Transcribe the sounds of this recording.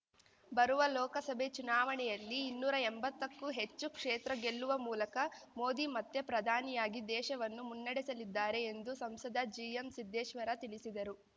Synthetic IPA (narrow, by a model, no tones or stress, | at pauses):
bɐɾuʋɐlɔːkɐsɐbʱet͡ʃunaːʋɐɳɛjɐlːiːnːuːɾɐembɐt̪ːɐkːuɦe̞t͡ʃːukʂeːt̪ɾɐɡe̞lːuʋɐmuːlɐkɐmoːd̪imɐt̪ːepɾɐd̪ʱaːnijaːɡid̪ɛːʃɐʋɐnːumunːɐɽisɐlid̪ːaːɾe̞ːnd̪usɐmsɐd̪ʱɐd͡ʒiemsid̪ʱːɛːʃʋɐɾɐt̪iɭisid̪ɐɾu